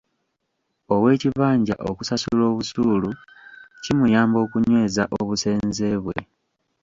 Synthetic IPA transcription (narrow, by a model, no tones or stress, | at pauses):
o̞we̞ːciβaːɲɟa̰ʔo̞kusasulo̞ːβusuːlu | cimujaːmbo̞ːkuɲwe̞ːzaʔoβuse̞ːnze̞ːβwe̞̰